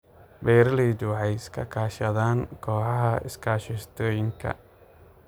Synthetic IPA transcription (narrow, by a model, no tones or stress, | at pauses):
bɛːɾliːd̪ʊʕɑjɪskʰɐ̰kʰaːʃɐðaːnkʰɔːħɑɦɐʔɪ̰skʰaːʃɪst̪ʰɔːjɪŋkʰɐ̰